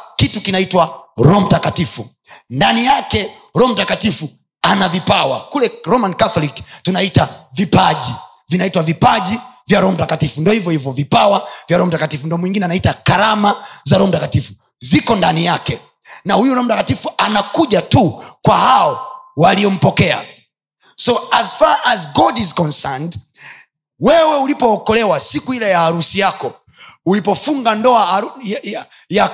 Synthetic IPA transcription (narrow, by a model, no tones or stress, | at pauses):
kitukinaitwaɾɔm̩takatifu | ndanijakɛ | ɾɔm̩takatifu | anavipawa̰kulɛɾɔmankaθɔliktunaitavipaʄi | vinaitwavipaʄivjaɾɔm̩takatifundiɔhivjɔhivjɔvipawavjaɾɔm̩takatifundiɔmwiŋɡinɛanaitakaɾamazaɾɔm̩takatifu | zikɔndanijakɛ | nahujuɾɔm̩takatifuanakuʄatukwahaɔwaliɔm̩pɔkɛa̰ | sɔazfaazɡɔdizkɔnsɛnd | wɛwɛulipɔːkɔlɛwasikuilajaːɾusijakɔ | ulipɔfuŋɡandɔaa | ja